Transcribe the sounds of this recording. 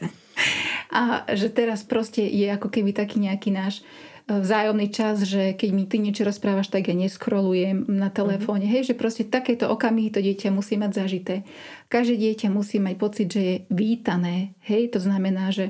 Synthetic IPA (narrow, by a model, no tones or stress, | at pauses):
ʔaʒɛt̪ɛɾaspɾɔscɛjɛakɔkɛbit̪akiːɲɛakiːnaːʃ | vzaːjɔmnit͡ʃazʒɛkɛɟmit̪iɲɛt͡ʃɔɾɔspɾaːʋaʃt̪aɡjaɲɛskɾɔlujɛmnat̪ɛlɛfɔːɲɛɦɛjʒɛpɾɔscɛt̪akɛːt̪ɔʔɔkamiɦit̪ɔɟɪɛcamusiːmaɟzaʒit̪ɛː | kaʒd̪ɛɟɪɛcamusiːmac̚pɔt͡sid̪ʒɛjɛʋiːt̪anɛːhɛjt̪ɔznamɛnaːʒɛ